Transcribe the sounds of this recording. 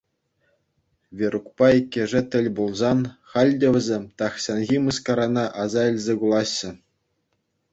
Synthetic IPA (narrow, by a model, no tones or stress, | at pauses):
ʋʲeɾukpɑikʲːĕʐɘ̆t̪ʲɘ̆lʲbulˠzɑnχɑlʲdʲɘ̆ʋʲɘ̆zʲemʲt̪ɑχɕɑnɣʲimɤskɑɾɑnɑʔɑzɑɘ̆lʲzʲekulˠɑɕːɘ̆